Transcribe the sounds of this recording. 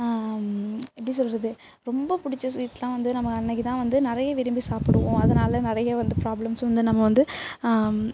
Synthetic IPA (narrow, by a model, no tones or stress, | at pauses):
ɛpːɐɽis̬ɔlːɾɐðɯ | ɾɔmbɐpʊɽɪt͡ʃːɐsʋiːʈslãːʋɐnd̪ɯnɐmːɐɐnːɐkːit̪ãːʋɐnd̪ɯnɪɾɐjɐʋɪɾɯmbisaːpɪɽɯʋõːɐðɐnaːlɐnɪɾɐjɐʋɐnd̪ɯpɾaːblɐmsʋɐnd̪ɯnɐmːɐʋɐnd̪ɯ